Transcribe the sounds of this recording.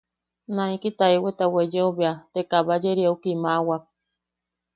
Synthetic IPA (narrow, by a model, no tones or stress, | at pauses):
nãikit̪aewet̪awed͡ʒeoβeat̪ekaβad͡ʒeɾiaukimawak̚